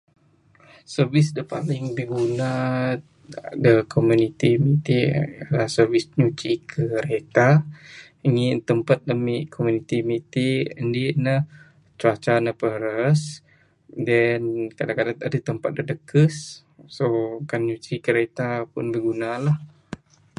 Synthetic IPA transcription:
sərvɪsdəpalɪŋbəɡuna | a̰dakʰomunit̪imit̪ilasərvɪsɲut͡ʃikʰəɾet̪a | iŋɪnt̪əmpat̪̚dəmiʔkʰomunit̪imit̪iəndinə | t͡ʃuat͡ʃanəpəɾəs | dɛnkadaŋkadaŋadat̪əmpat̪̚dədəkəs | sokanɲut͡ʃikəɾet̪apʊ̰nbəɡunalah

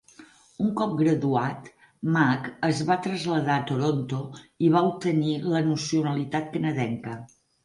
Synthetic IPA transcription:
uŋkɔp̚ɡɾəðuat̪ | makəzβat̪ɾəzʎəðat̪oɾont̪oiβ̞aup̚t̪ənilənusiunəlit̪at̪̚kənəðɛŋkə

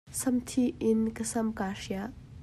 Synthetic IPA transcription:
sɐmtʰiɪnkɐsɐmkasija

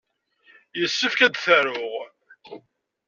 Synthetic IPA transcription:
jəsːəfkæd̪θəɾʊʁ

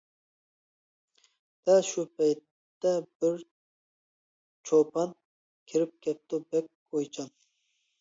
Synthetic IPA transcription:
d̪̥ɛʃupʰɛjt̪ːɛbɪɾ | t͡ʃʰopʰɑn | kʲʰiɾɪp̚kʲʰɛp̚t̪ubɛk̚ʲʰ | ojt͡ʃʰɑm

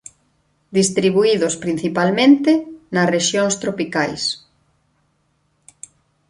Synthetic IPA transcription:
d̪ist̪ɾiβuiðospɾin̟θipalmẽnt̪enɐsreʃjoŋst̪ɾopikajs

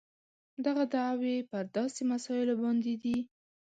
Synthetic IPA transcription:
d̪aɣad̪aʕwepəɾd̪ɑsemasɑɪlobɑnd̪ed̪i

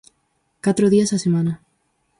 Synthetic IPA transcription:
kat̪ɾoðiasasemãna

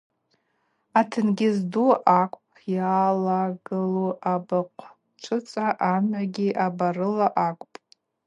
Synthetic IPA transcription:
atʰɨnɡʲɪzduʔakʷʼpʼʰjaːlaɡɨluʔabaqʷʰ | ʈ͡ʂʰɨt͡sʼaʔamɥaɡʲiʔabarɨlaʔakʷʼpʼ

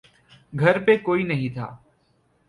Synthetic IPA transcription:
ɡʱɐɾpekoːinɐɦĩt̪ʰa̰ː

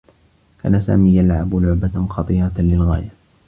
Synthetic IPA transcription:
kʰa̰ːnasa̰ːmiːjalʕabʊlʊʕbaxɑt̪ˤiːɾˤɑlɪlɣaːja

